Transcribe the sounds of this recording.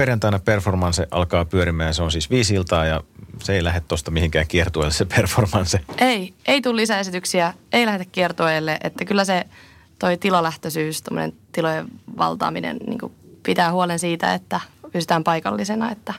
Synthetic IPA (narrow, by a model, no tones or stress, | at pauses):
perjɑnt̪ɑinɑperformɑnseʔɑ̰lkɑːpyøɾimæːjseonsiːsʋiːsilt̪ɑːjɑseeilæhet̪tost̪ɑmihiŋkæːŋkiert̪uojlːesepʰerformɑnseʔeieit̪ulːisæesit̪yksiæeilæhed̪ækkiert̪uojlːeʔet̪ːækylːæse | t̪oit̪ilolæht̪øsyːst̪omːonḛnt̪ilojeʋɑ̰lt̪ɑ̰ːminḛnnḭːŋkupit̪æːhuolensiːt̪æ̰ḛt̪ːæpysi̥t̪æːmpɑikɑlːisenɑet̪ːæ